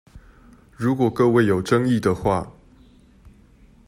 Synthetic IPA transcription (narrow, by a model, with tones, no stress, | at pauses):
ɻu˨˧˥kwɔ˨˩kɤ˥˧we˥˩ɪjo˨˩ʊʈ͡ʂɤ˦ŋi˥˨d̪ə˩xwa̰˥˨